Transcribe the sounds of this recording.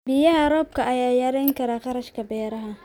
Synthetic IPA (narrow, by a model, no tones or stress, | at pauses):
bɪjɐɦɐɾɔːb̚kʰɐɐjaːjɐːɾɛjŋkʰɐɾaːqɑɾɐʃkʰɐbɛːɾɐɦɐ